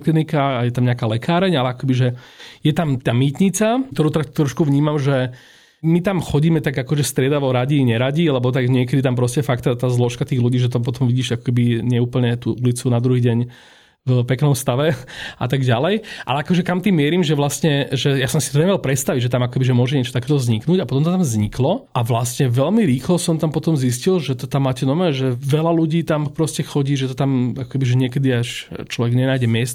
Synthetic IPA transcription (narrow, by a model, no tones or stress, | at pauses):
klinikajɛt̪amɲɛakaːlɛkʰaːɾɛɲalɛakɔkɛbiʒɛjɛt̪amt̪aːmiːt̪ɲit͡sat̪ɔɾuːt̪ɛɾakt̪ːɾɔʃkuʋɲiːmamʒɛ | mit̪amxɔɟiːmɛt̪aɡakɔʒɛst̪ɾɪɛd̪aʋɔɾaɟiɲɛɾaɟilɛbɔt̪aɡɲɪɛkɛd̪it̪ampɾɔscɛfakt̪at̪aːzlɔʃkat̪iːɣluɟiːʒɛt̪ɔp̬ɔt̪ɔmʋiɟiːʒakɔ̥kɛbiɲɛuːpl̩ɲɛt̪uːʔulit͡sunad̪ɾuɦiːɟɛɲ | vpɛknɔmst̪aʋɛʔa̰t̪aɡɟalɛjʔa̰lɛakɔʒɛkamt̪iːmːɪɛɾiːmʒɛʋlast̪ɲɛʒɛjasɔmsi̥t̪ɔɲɛmɛlpɾɛt̪st̪aʋiɟʒɛt̪amakɔ̥kɛbiʒɛmʊɔʒɛɲɪɛt͡ʃɔ̥t̪akɛːt̪ɔzɲiknuːɟapɔt̪ɔmt̪ɔt̪amzɲiklɔʔaʋlast̪ɲɛʋɛlmiɾiːxlɔsɔmt̪ampɔt̪ɔmzis̬cilʒɛt̪ɔt̪amːaːcɛnɔmɛːʒɛʋɛlaluɟiːt̪ampɾɔscɛxɔɟiːʒɛt̪ɔt̪amakɔ̥kɛbiʒɛɲɪɛkɛd̪iaʃt͡ʃlɔʋɛɡɲɛnaːjɟɛmɪɛst̪